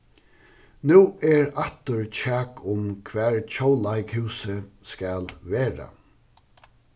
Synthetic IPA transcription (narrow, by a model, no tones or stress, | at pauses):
nʉːɛɹaht̪ʊɹt͡ɕʰæːkʰʊmkʰʋɛːɹt͡ʃʰowlaɪkhʉːsə | skælʋeːɹa̰